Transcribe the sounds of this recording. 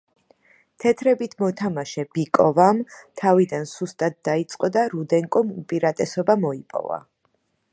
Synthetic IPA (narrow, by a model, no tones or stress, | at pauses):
t̪ʰɛt̪ʰɾɛbit̪ʰmɔt̪ʰamaʃɛb̥ikʼɔvamt̪ʰavid̪ansust̪ʼat̪̚d̪ait̪sʼqʼɔd̪aɾud̪ɛŋkʼɔmupʼiɾat̪ʼɛsɔbamɔipʼɔ̰va̰